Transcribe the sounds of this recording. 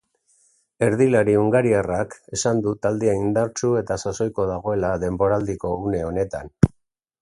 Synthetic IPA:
e̞ɾð̞ilaɾiuŋɡaɾierake̞sand̪ut̪ald̪eeind̪aɾt͡sue̞t̪asaso̞jko̞ðaɣ̞o̞e̞laðe̞mbo̞ɾald̪iko̞une̞o̞ne̞t̪an

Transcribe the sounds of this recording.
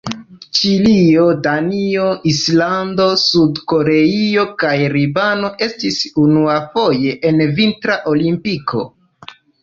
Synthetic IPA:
t͡ʃilio̞danio̞islando̞sudko̞ɾe̞io̞kajɾibano̞ʔe̞stisunuafo̞je̞ʔenvintɾaʔo̞limpiko̞̰

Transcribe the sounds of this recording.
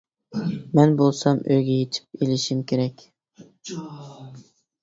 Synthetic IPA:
mɛnbolˠsɑmøjɡʲɛjet͡ʃ̪ʰɪ̥p̚elɪʃimkʲʰeɾɛkʲ

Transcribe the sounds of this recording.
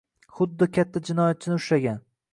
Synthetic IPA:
χʊd̪ːɪkʲat̪ʰːad͡ʒɪnɒjat̪̚t͡ʃʰɪnɪʊʃlaɡʲan

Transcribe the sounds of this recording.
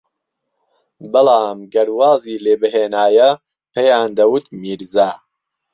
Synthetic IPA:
bɐlaːmɡɐɾwaːziːleːbɨɦeːnaːjɐ | pʰejaːnd̪ɐwut̪miːɾzaː

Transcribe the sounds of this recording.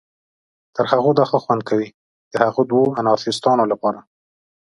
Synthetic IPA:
t̪əɾhaɣod̪ɑxəxwand̪̚kʰawi | d̪̥əhaɣod̪woanɑɾt̪ɪst̪ɑnolapɑɾa

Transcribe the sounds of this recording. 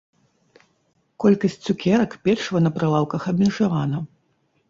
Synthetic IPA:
kɔlʲkɐsʲt͡sʲt͡sʲːukʲɛɾɐkpʲɛrʂɐvɐnɐpɾalˠawkɐxɐbʲmʲɛʐavanɐ

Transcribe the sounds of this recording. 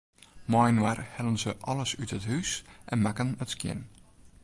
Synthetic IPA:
mɔjnwarhɛlənzəʔɔləsytəthysʔɛnmakənətskjɪ̰n

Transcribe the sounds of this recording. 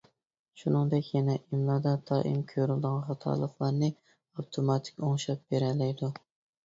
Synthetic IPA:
ʃunɨŋd̪ɛkʲjɛnɛʔimlˠɑd̪ɑd̪ɑːʔḭmkʲʰøɾyld̪ɨʁɑnχɑt̪ʰɑ̰ːlˠəχlˠɑɾnɨ | ɑwt̪ʰomɑt̪ʰɪ̥kʲoŋʃɑp̚beɾɛlːɛjd̪u

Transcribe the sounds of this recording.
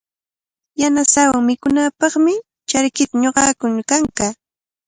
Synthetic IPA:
janasawaŋmɪkʊnaːpɑχmɪ | t͡ʃaɾkɪt̪aɲoɢɑːkʊnkaŋka

